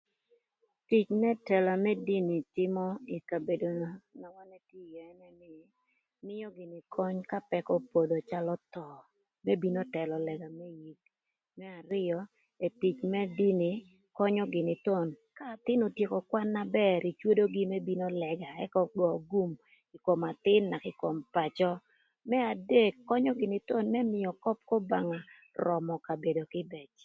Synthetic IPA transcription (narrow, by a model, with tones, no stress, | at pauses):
ti˨t͡ʃmɛ˦tɛ˨la˨mɛ˦di˦ni˨tɪ˦mɔ˦i˨ka˨be˨do˨na˨wa˦nɛ˦ti˦jɛ˨ɛ˦nɛ˦nɪ˦˨ | nɪ˦jɔ˦ɡɪ˨nɪ˨kʰɔ˦ɲka˦pɛ˦kɔ˦po˨do˨t͡ʃa˦lɔ˦t̪ɔ˨ | mɛ˦bi˦no˦tɛ˨lɔ˨lɛ˨ɡa˨mɛ˦ji˨k | mɛ˦a˨ɾɪ˦jɔ˨ | e˨ti˨t͡ʃmɛ˦di˦ni˨ | kɔ˦ɲɔ˦ɡɪ˨nɪ˨t̪o˦nka˦˨t̪ɪ˦no˨tje˨kɔ˨kwa˦nːa˦bɛ˦ɾi˨t͡ʃwo˦do˦ɡi˦mɛ˦bi˦no˦lɛ˨ɡa˨ɛ˦kɔ˦ɡɔ˨ɡu˦m | i˨ko˨ma˨t̪ɪ˦nːa˨kɪ˨ko˨mpa˨t͡ʃɔ˦ | mɛ˦a˨de˦kːɔ˦ɲɔ˦ɡɪ˨nɪ˨t̪o˦nmɛ˦mɪ˨jɔ˨kɔ˦p̚ko˦ba˨ŋa˨ | rɔ˨mɔ˨ka˨be˨do˨kɪ˦bɛ˨t͡ʃ